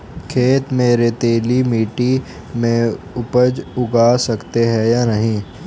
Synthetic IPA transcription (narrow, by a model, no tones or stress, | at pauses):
kʰeːt̪meːɾet̪eːlimiːʈi | mẽ | ʊpəd͡ʒʊɡaːsɐkt̪eɦɛjanɐɦĩː